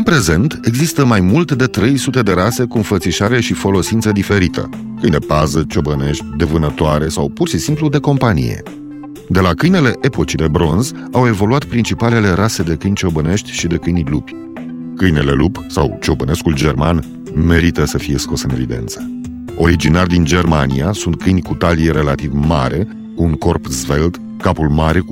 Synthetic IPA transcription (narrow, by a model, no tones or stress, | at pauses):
ɨnpɾe̞ze̞nt̪e̞ɡzist̪əmajmult̪ed̪e̞t̪ɾe̞jsut̪e̞d̪e̞ɾase̞kuɨnfət̪siʃaɾe̞ʃifo̞lo̞sint̪səd̪ife̞ɾit̪ʰə̰ | kɨjnd̪epazət͡ʃo̞bəne̞ʃt̪ʲd̪e̞vɨnət̪oaɾe̞sawpurʃisimplud̪e̞ko̞mpanḭjḛ | d̪e̞lakɨjne̞le̞ʔe̞po̞t͡ʃid̪e̞bɾo̞nz | awe̞vo̞luat̪pɾint͡ʃipale̞le̞ɾase̞d̪e̞kɨjnʲt͡ʃo̞bəne̞ʃt̪ʲʃid̪e̞kɨjnʲlupʲ | kɨjne̞le̞̰lupsa̰wt͡ʃo̞bəne̞skuld͡ʒe̞rma̰n | me̞ɾit̪əsəfije̞sko̞sɨne̞vid̪e̞̰nt̪sə̥ | o̞ɾid͡ʒinarʲd̪ind͡ʒe̞rmaniasunt̪̚kɨjnkut̪alieɾe̞lat̪ivma̰ɾʔe̞ | kuuŋko̞rpzve̞ld̪ | kapulmaɾe̞